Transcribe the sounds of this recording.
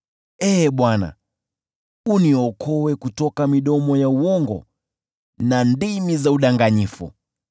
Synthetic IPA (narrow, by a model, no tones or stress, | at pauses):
ɛɓwana̰ | uniɔkʰɔwɛkutɔkamiɗɔmɔjauɔŋɡɔ̰ | nandimizauɗaŋɡaɲifṵ